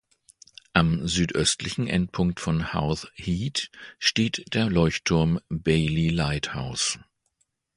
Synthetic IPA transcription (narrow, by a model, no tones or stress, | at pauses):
ʔamzyːtʔœstlɪçn̩ʔɛ̰nt̚pʰʊŋk̚tfɔnha̰ʊθhiːtʃteːtd̥eːɐlɔʏçtʰʊɐmbɛɪlilaɪtha̰ʊs